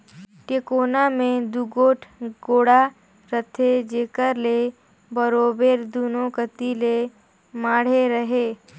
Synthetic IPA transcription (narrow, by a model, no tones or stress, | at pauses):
ʈeːkoːnamẽd̪uɡoːʈʰɡoːɽa | ɾət̪ʰed͡ʒeːkəɾle | bəɾoːbeːɾd̪uːnõkət̪ile | maːɽ̤eɾəɦeː